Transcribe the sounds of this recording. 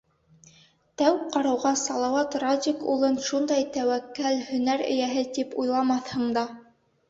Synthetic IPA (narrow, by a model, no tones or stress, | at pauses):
t̪æwqɑɾɑwʁɑsɑlˠɑwɑt̪rodʲikṵlˠɤnʃund̪ɑjt̪æwækːælhɵ̆næɾɵ̰̆jæɦɘt̪ipujlˠɑmɑθhɤ̆ɴd̪ɑ